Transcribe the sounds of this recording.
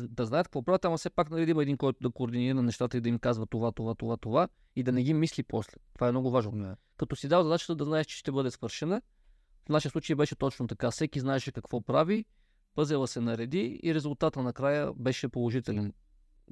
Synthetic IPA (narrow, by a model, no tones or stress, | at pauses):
d̪ɐznajət̪kəkvɔpɾavʲjət̪ɐmɐfsɛpaknɐɾɛd̪imɛd̪inkɔjt̪ʊd̪ɐkoːɾd̪iniɾənnɛʃt̪at̪əid̪ɐimkazvət̪ovat̪ovat̪ovat̪ova | id̪ɐnɛɡ̟imislipɔslɛ̥t̪ovaɛmnɔɡʊvaʒnovmʲɛn | kɐt̪ɔsid̪avɐzɐd̪at͡ʃə̥t̪əd̪ɐznaɛʃt͡ʃɛ̥ʃt̪ɛbɤd̪ɛsvɤɾʃɛnə | fnaʃiəsˠut͡ʃəjbɛʃɛt̪ɔt͡ʃnot̪ɐkafsɛkiznaɛʃɛkɐkvɔpɾavi | pɤzɛlˠəsɛnɐɾɛd̪iḭɾɛzʊlˠt̪at̪ənɐkɾajəbɛʃɛpolˠoʒit̪ɛlɛn